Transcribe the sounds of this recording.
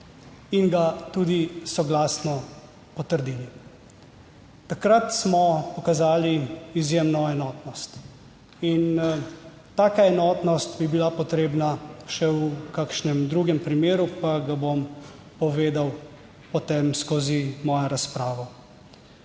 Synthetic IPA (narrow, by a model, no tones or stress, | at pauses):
inɡat̪uːd̪isɔɡlaːsnɔ | pɔt̪əɾd̪iːli | t̪akɾat̪smɔpɔkazaːliizjemnɔɛnɔːt̪nɔst̪ | in | t̪aːkaɛnɔːt̪nɔst̪bibilapɔt̪ɾeːbnaʃɛukakʃnɛmd̪ɾuːɡɛmpɾimeːɾupaɡabom | pɔʋeːd̪aw | pɔt̪emskoːzimɔːjaɾaspɾaːʋɔ